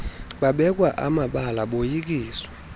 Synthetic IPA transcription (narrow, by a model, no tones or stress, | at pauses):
ɓaɓɛk̬ʼwaʔamaɓalaɓojik̬iːswɛ